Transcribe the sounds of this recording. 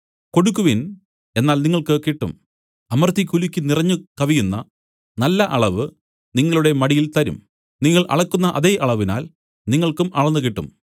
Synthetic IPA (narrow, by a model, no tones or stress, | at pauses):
ko̞ɽukːuʋin | e̞nːaːlniŋːɐɭkɨkiʈːṵm | ɐmɐrt̪ik̬ʲːulukʲːinirɐɲːukɐʋijunːɐ | nɐlːɐʔɐɭɐʋɨ | niŋːɐɭuɽe̞mɐɽijilt̪ɐɾṵm | niŋːɐɭʔɐ̰ɭɐkːunːɐʔɐðeːʔɐɭɐʋina̰ːl | niŋːɐɭkumɐɭɐnːɨk̬iʈːṵm